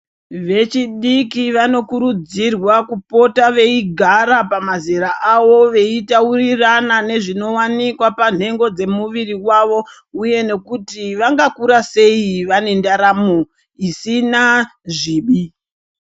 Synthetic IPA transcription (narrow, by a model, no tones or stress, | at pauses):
ʋe̞t͡ʃiɗikiʋano̞kuɾud͡zirwakupo̞taʋe̞iɡʱaɾapamaziɾaʔaʋo̞ʋe̞itauriranane̞ʐino̞wanikwapan̤e̞ŋɡo̞d͡ze̞muʋiriwaʋo̞ | uje̞ne̞kutiʋaŋɡakuɾase̞iʋane̞ndaɾamo | isinaʐiːɓi